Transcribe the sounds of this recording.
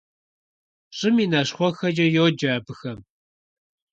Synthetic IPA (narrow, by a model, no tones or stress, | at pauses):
ɕʼɨminɐʂχʷɔxɐd͡ʒɐjoːd͡ʒaːbɨxɐm